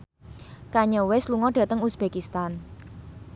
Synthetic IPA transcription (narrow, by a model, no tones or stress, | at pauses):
kaɲɔwesluŋɔɖ̥ä̤t̪əŋusb̥e̤kist̪an